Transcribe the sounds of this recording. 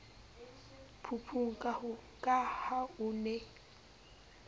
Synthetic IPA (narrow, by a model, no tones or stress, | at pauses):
pʰupʰuŋ̩kʼa | kʼahaunɛ